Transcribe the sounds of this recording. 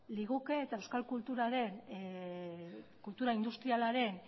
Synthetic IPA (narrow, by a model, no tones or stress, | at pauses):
liɣukeːt̪aewskalkult̪uɾaɾe̞n | kult̪uɾaind̪ust̪ɾialaɾe̞n